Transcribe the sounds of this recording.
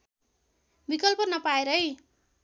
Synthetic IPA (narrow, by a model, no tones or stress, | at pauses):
bikʌlpʌnʌpaeɾʌj